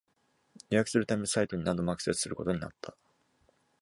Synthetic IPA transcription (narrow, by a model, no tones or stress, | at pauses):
ɾʲijakɯ̟sɨɾɯ̟t̪amʲesait̪o̞ɲ̟inãnd̪o̞makɯ̟̥se̞sɨ̥sɨɾɯ̟ko̞t̪o̞ɲ̟ina̰t̪ʰːa